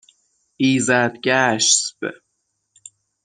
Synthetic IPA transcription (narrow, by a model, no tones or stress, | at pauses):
iːzæd̪ɡæʃsb̥ḛ